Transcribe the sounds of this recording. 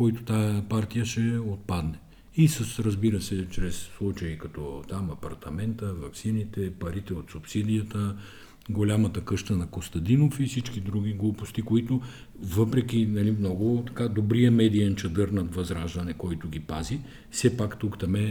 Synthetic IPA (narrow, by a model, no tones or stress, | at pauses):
kɔjt̪ʊ̥t̪ajəpaɾt̪ijəʃɛot̪̚pad̪nɛ | isɐsɾɐzbiɾəsɛt͡ʃɾɛsːlˠut͡ʃɐikɐt̪ɔt̪amɐpɐɾt̪ɐmɛnt̪əvɐksinit̪ɛpɐɾit̪ɛot̪supsid̪ijət̪ə | ɡolʲamɐt̪əkɤʃt̪ənɐkost̪ɐd̪inofifsit͡ʃkid̪ɾuɡ̟ʲiɡlˠupʊst̪ikoit̪o | vɤpɾɛkʲinɐlimnɔɡʊt̪ɐ̥kad̪obɾiəmɛd̪iɛnt͡ʃɐd̪ɤɾnɐt̪vɐzɾaʒd̪ɐnɛkɔjt̪ʊɡ̟ʲipazi | fsɛpakt̪ukt̪ɐmɛ